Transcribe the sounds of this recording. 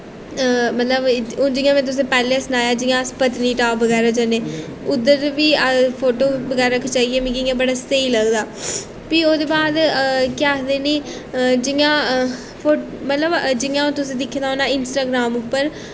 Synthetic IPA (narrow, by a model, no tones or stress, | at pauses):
mət̪ləbd͡ʒɪjãːmɛ̃ːt̪̬ʊs̬ẽːpɛːleːsnaːjaːd͡ʒɪjãːspət̪niːʈaːpːəɡɛːɾaːd͡ʒaneː | ʊd̪əɾʋiːəpʰoːʈoːbəɡɛːɾaɾəkʰːt͡ʃaːieːmẽːɡɪjãːbəɽaːsəiːləɡd̪aː | piːoːd̪eːbaːd̪kjaːd̪eːniː | d͡ʒɪjãː | pʰoː | mət̪ləbd͡ʒɪjãːõːt̪ʊsĩːd̪ɪkʰːd̪aoːnaːɪnsʈaːɡɾaːmʊpːəɾ